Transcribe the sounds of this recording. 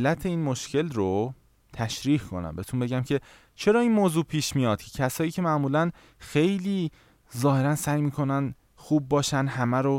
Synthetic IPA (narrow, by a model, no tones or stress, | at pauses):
lːæt̪ʰe̞iːnmoʃcʰe̞lɾo | t̪ʰæʃɾiːhkʰo̞̰næ̰mbet̪ʰumbe̞ɟæmcʰe̞ | t͡ʃʰe̞ɾɒːinmoːzuːpʰiːʃmijɒːd̪̥̚cʰecʰæsɒːjiːcʲʰe̞mæʔmuːlæn | xe̞jliː | zɒːhe̞ɾænsæjmiːkʰo̞næn | xuːb̚ːɒːʃænɦæmæɾo